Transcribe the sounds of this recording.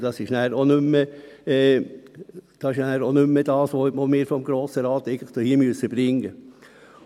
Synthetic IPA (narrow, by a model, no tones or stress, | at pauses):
d̥ɑsɪʃnæːɾonʏmːəɛ | d̥ɑsɪʃnæːɾonʏmːəd̥ɑːsʋoomɪːɾfɔmɡɾoːsəɾɑːt̪ɛɪɡən̩tləχd̥ohiːmyəsəb̥ɾɪŋə